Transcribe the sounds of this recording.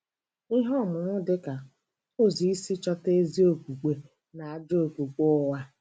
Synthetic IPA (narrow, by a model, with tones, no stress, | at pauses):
i˦ɦɔ˦˨mʊ˨ŋʊ˦dɪ˦ka˨ | o˦˨zi˨i˦si˦t͡ʃɔ˦te˦zi˦o˨kʷu˨k͡pe˨ | na˨a˨d͡ʒo˦o˨ku˨k͡po˦˨wa˦